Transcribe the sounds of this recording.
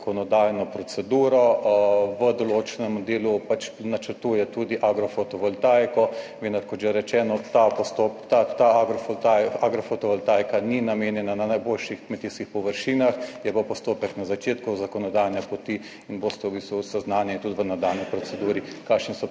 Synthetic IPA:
kɔnɔd̪ajnɔpɾɔsɛd̪uːɾɔ | ʋəd̪ɔloːt͡ʃɛnɛmd̪eːlupat͡ʃnat͡ʃəɾt̪uːjɛt̪ud̪iʔaɡɾɔfot̪ɔʋɔlt̪ajkɔʋeːnd̪aɾkɔʒɛɾɛt͡ʃɛːnɔt̪apɔst̪opt̪at̪aaɡɾɔft̪ajaɡɾɔfot̪ɔʋɔlt̪ajkaninameːnjɛnananajboːlʃixkmɛt̪iːskixpɔʋəɾʃiːnaxjɛbopɔst̪oːpɛknazat͡ʃeːt̪kuzakɔnɔd̪ajnɛpɔt̪i | inboːst̪ɛwbiːst̪ʋusɛznaːnjɛt̪ud̪ʋənad̪alnipɾɔt͡ssɛd̪uːɾikaːʃnisɔ

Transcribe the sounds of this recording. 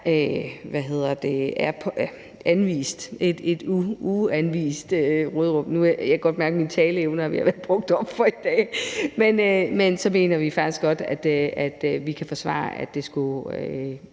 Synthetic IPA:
øʋæɦe̝ð̞̰ˠɐd̥e̝æɐpʰ | ʔænʋḭːsd̥ed̥e̝d̥uuænʋḭːsd̥øʁoð̩ˠʁɔ̽m̰nujɑkʰæɡ̥ɒ̽d̥̚mæɐɡ̥əminət͡sʰɛːləeʊnɐhɑʋihɑ̈ʋæɐb̥ʁɔ̽ɡ̥̚d̥ɒ̽b̥fɒ̽id̥ɛ̰ːmenømensɒ̽me̝̰ːnɐʋifɑ̈ɡ̥isɡ̥ɒ̽d̥æd̥øæd̥ʋikʰæfɒ̽sʋɑ̰̈ːʔæd̥e̝sɡ̥uø

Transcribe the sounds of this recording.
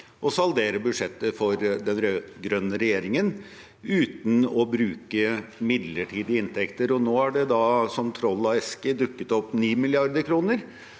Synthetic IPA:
ʔɔsɑld̪eːɾəbʉd̪ʂɛt̪ːəfɔɾd̪ɛnɾøɡɾœnːəɾɛjeːɾɪŋən | ʉːt̪nɔbɾʉːkəmɪd̪ləʈʰiːd̪ɪəɪnt̪ʰɛkt̪əɾɔnoːæɖɛd̪ɑsɔmt̪ʰɾɔlːɑɛskəd̪ʉkːət̪ɔpːniːmɪlɪɑɾd̪əɾkʰɾuːnəɾ

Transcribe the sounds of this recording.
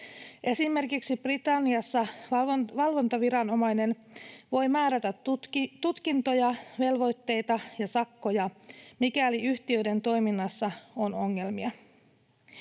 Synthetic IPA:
ʔe̞simːe̞rkiksib̥rit̪ɑnːiɑsːɑ | ʋɑlʋo̞nt̪ɑʋiɾɑno̞mɑjne̞nʋo̞jmæːɾæt̪æt̪t̪ut̪kint̪o̞jɑʋe̞lʋo̞jt̪ːe̞jt̪ɑjɑsɑkːo̞jɑmikæliyçt̪iø̞jde̞nt̪o̞jminːɑsːɑo̞no̞ŋːe̞lmiɑ

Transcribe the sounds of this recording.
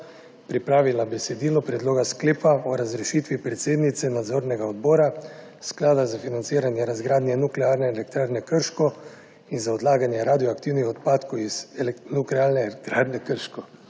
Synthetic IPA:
pɾipɾaːʋilabɛsɛd̪iːlɔpɾɛd̪loːɡaskleːpaɔɾazɾɛʃiːt̪ʋipɾɛt̪seːd̪nit̪sɛnad̪zoːɾnɛɡaɔd̪bɔːɾa | sklaːd̪azafinant̪siːɾanjɛɾazɡɾaːd̪njɛnuklɛaɾnɛɛlɛk̚t̪ɾaːɾnɛkəɾʃkɔ | inzaɔd̪laːɡanjɛɾad̪ijɔakt̪iwnixɔt̪paːt̪kowiz̥nuklɛaːlnɛlkt̪ɾaːd̪nɛkəɾʃkɔ

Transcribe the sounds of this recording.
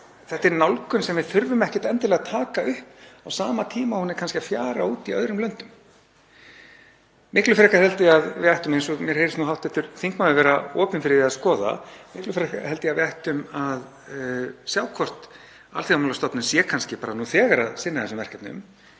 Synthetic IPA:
θɛht̪ɪɾnawlkʏnsɛmvɪðθʏɾvʏmɛhcɪ̥t̪ɛnt̪ɪlɛɣat̪ʰaːkaʏhpawsaːmat̪ʰiːmahunɪkʰanscɪafjaːɾauːt̪iœðɾʏmlœɥn̥t̪ʏm | mɪhklʏfɪɾɛhkahɛlt̪ɪaðvɪajht̪ʏmejnsɔɣmjɛɾhejɾɪstnuɦawht̪ɛht̪ːʏɾ̥θiŋkmawðɪvɛːɾaɔːpʏnfɪɾɪɪaðskɔːða̰mɪhklʏfɪɾɛhkahɛlt̪ɪavɪajht̪ʏmað | sjaːwkʰvɔr̥t̪ | a̰lθiamalast̪ɔpnʏmsjɛkʰanscɪpaːɾanuθɛːɣaɾa̰ðsɪnːaðθɛsʏmvɛr̥kap̪nʏ̰m

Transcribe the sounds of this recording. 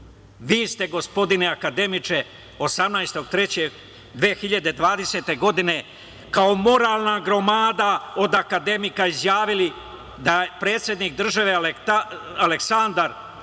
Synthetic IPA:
ʋiːst̪e̞ɡo̞spo̞d̪ineakad̪e̞mit͡ʃe̞ | o̞samnajst̪o̞ɡt̪ɾe̞t͡ɕeɡ | d̪ʋeːxiʎad̪e̞d̪ʋaːd̪e̞se̞t̪e̞ɡo̞d̪ine̞ | kaomo̞ɾaːlˠnaɡɾo̞maːd̪ao̞d̪akad̪e̞mikaizjaːʋili | d̪apɾe̞ːt̪sje̞d̪nik̚d̪r̩ʒaʋeleaaleksand̪aɾ

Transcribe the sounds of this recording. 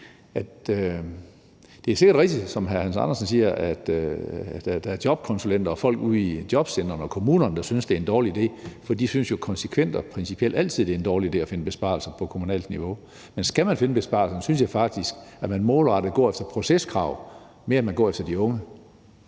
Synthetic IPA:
ʔæd̥ | d̥e̝æɐse̝ɡ̥ɐd̥ʁɛɡ̥̚d̥i̥sɒ̽mɦæɐhænsɑ̈nɐsnsiːɐʔæd̥ | d̥æd̥ææɐd̥jɒ̽b̥kʰɒ̽nsulen̰d̥ɐːfɒ̽l̰ɡ̥uð̰ˠid̥jɒ̽b̥sen̰ɐn̩ɒ̽kʰo̝muːnɐnəd̥ɑ̈synsd̥e̝æɐe̝nd̥ɒːliid̥e̝̰ːfɒd̥ḭdsynsjo̝kʰɒ̽nsekʰʋen̰d̥ɒpʰʁɛnsipʰiel̰d̥æl̰t͡sʰið̞̰ˠd̥ee̝nd̥ɒːlide̝̰ːæfe̝nəb̥e̝sb̥ɑ̰̈lsɐpʰɒ̽kʰo̝munɛ̰ːld̥niʋo̝ | mensɡ̥æmænfe̝nəb̥e̝sb̥ɑ̈lsɐnsynsjɑɪfɑ̈ɡ̥̚d̥isɡ̥æmænmɔːlʁɑ̈d̥ðɡ̥ɒ̰ːefd̥ɐpʰʁo̝seskʰʁɑ̈ʊ̰ | me̝ɐænmænɡɒ̰ːefd̥ɐd̥iɔ̽ŋə

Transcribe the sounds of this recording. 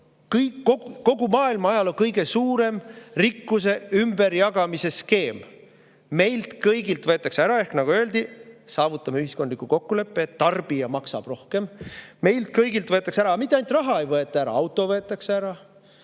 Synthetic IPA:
kɯjkːoɡukːo̞ɡ̥umɑːilmɑɑjɑlo̞ŋkɤjɡe̞suːɾe̞mrikːuse̞ymbe̞ɾjɑɡ̥ɑmise̞ske̞ːmː | e̞jlt̪kɤjɡilt̪vɤe̞t̪ːˑɑkseæɾɑe̞hknɑɡ̥uø̞eld̪̥isɑːvut̪ːˑɑmeyɦiskod̪likuko̞kːule̞pːˑeːt̪ːɑrb̥ijɑmɑksɑ̰b̥ro̞hke̞mːe̞jlt̪̚kɤjɡilt̪vɤe̞t̪ːˑɑkseæɾɑːmit̪ːˑeɑjnt̪rɑɦɑejvɤet̪ːˑɑæɾɑ̰ɑwt̪ːˑo̞vɤ̞et̪ːˑɑkseæɾɑ

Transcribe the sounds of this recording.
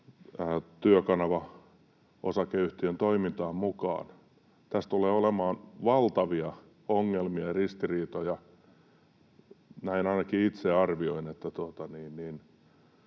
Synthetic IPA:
əːt̪yøkɑnɑʋɑ | o̰sɑkeyht̪iønt̪oimint̪ɑːmmukɑ̰ːn | t̪æst̪uleːolemɑːnʋɑlt̪ɑʋiɑ | oŋːelmiɑrist̪iriːt̪ojɑ | næinɑinɑkiit̪seɑrʋioinet̪ːæt̪uot̪ɑniːnniːn

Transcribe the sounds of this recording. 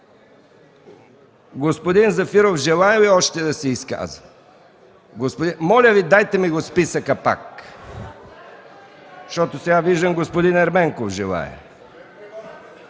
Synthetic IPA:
ɡospod̪inzɐfiɾofʒɛlˠaɛviɔʃt̪ɛd̪ɐsɛiska̰zə | ɡospod̪imɔlʲəvid̪ajt̪ɛmiɡospisəkəpa̰k | ʃt̪ɔt̪osɛɡaviʒd̪əmɡospod̪inɛɾmɛŋkofʒɛlˠa̰ɛ̰

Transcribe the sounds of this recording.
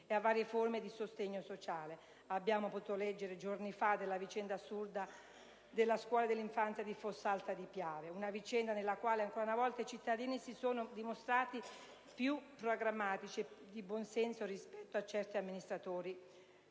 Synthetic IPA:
eavːaːɾjeformed̪isost̪eɲːosot͡ʃaːle | abːjaːmopot̪uːt̪olɛd͡ʒːeɾed͡ʒornifad̪elːavit͡ʃɛnd̪asurd̪a | d̪elːaskwɔːlad̪elːiɱfant̪sjad̪ifosalt̪ad̪ipjaːveunavit͡ʃɛnd̪anelːakwaːleaŋkoːɾaunavɔlt̪ait͡ʃit̪ːad̪iːnisisoːnod̪imost̪ɾaːt̪i | pjupːɾoɡɾamːaːt̪it͡ʃied̪ibwɔnsɛnsorispɛt̪ːoat͡ʃːɛrt̪iamːinist̪ɾat̪oːɾi

